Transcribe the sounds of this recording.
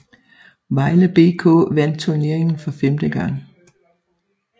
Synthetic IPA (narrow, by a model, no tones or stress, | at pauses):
ʋɑ̈ɪləb̥e̝ːkʰɔ̰̽ːʋæn̰d̥̚t͡sʰuɐne̝ɐe̝ŋn̩fɒ̽femd̥əɡ̥ɑ̈ŋ